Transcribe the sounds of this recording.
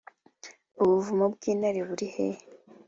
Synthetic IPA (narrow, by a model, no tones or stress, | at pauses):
oβuvumobɡiːnaɾiβuɾihe